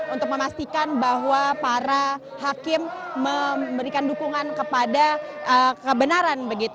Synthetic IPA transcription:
unt̪ʊk̚məmast̪ikanbaɦwapaɾa | hakɪmːəbəɾikandukuŋankəpadaʔəkəbənaɾanbəɡit̪

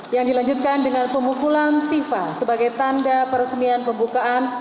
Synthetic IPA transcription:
jaŋdilaɲd͡ʒut̪̚kandəŋanpəmukulant̪ifasəbaɡajt̪andapəɾəsmianpəmbukaʔan

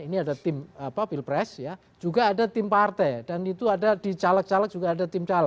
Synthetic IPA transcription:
iniadat̪ɪmapafilpɾɛsja | d͡ʒuɡaːdat̪ɪmpart̪ɛdanit̪uadadit͡ʃalak̚t͡ʃalak̚d͡ʒ̥uɡaːdat̪ɪmt͡ʃalak̚

